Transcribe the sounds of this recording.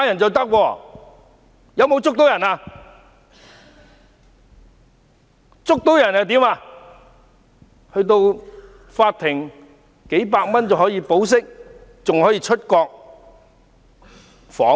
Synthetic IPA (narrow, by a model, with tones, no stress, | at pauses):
jɐ˨˩nt͡sɐ˨wt̪ɐ˥k̚wɔː˧ | jɐ˨˧wmo˨˧wt͡sʊ˥k̚t̪o˧˥wjɐ˨˩naː˧ | t͡sʊ˥k̚t̪o˨˥wjɐ˨˩naː˨t̪iː˨˥maː˧ | hɵ˧ɥt̪o˧w | faː˧t̚t̪ʰɪ˨˩ŋ | ke˨˥jpaː˧k̚mɐ˥nt͡sɐ˨whɔː˨˥jiː˧po˨˥ws̬ɪ˥k̚t͡sʊ˨ŋhɔ˨˥jiː˧t͡ʃʰɵ˥t̚kɔː˧k̚ | fɔː˨˥